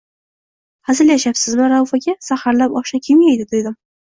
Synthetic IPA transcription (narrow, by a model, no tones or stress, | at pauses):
hazɪɾjaʃapsɪznmɪɾawfaɡʲasahaɾlapɒʃakʲʰɪmjajd̪ɪt̪ʰʊjd̪ɪm